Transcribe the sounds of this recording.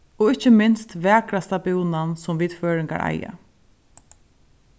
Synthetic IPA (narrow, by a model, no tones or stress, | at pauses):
ɔɪt͡ʃːəmɪnst̪vɛːkɾast̪apjuːnansʊmviːd̪føːɾɪŋka̰ɹa̰ja̰